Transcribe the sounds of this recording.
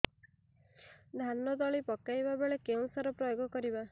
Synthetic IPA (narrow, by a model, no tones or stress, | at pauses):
d̪ʱanːɔd̪ɔɭipɔkajbabeɭekeũsaɾɔpɾɔjoɡɔkɔɾiba